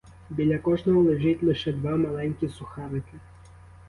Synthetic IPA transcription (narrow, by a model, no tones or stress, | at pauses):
bʲilʲakɔʐnɐwlˠɛʐɨtʲlʲˠɛʂɛd̪vamalˠɛnʲkʲisuxaɾɨkɐ